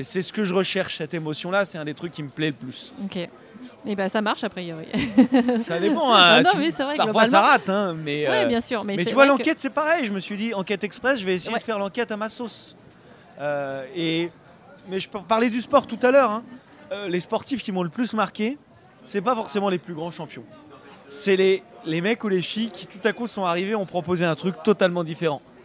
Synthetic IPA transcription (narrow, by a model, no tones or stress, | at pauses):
esɛsə̥kəʒəʁəʃɛʁʃsɛt̪emɔsjɔ̃lasɛɛ̃d̪et̪χykʲːiməplɛləplysokʲe | ebasamaʁʃapχijɔʁḭ | sad̪epɑ̃ɛ̃mɛsɛvʁɛpaʁfwassaʁat̪ɛ̃mɛøwɛbjɛ̃syːʁmɛmɛsyvwalɑ̃kɛt̪sɛpaʁɛjʒəməsɥid̪iɑ̃kʲɛt̪ɛkspχɛsʒəvɛesejeeəfɛʁlɑ̃kʲɛt̪amasos | øe | mɛʒəppaʁlɛd̪yspɔʁt̪ut̪alœʁɛ̃ | ølespɔʁt̪ifkʲimɔ̃ləplysmaʁkʲe | sɛpafɔʁsemɑ̃leplyɡʁɑ̃ʃɑ̃pjɔ̃sɛlelemɛkulefijkʲit̪ut̪akusɔ̃aʁiveɔ̃pχɔpozeɛ̃t̪χykt̪ɔt̪almɑ̃d̪ifeʁɑ̃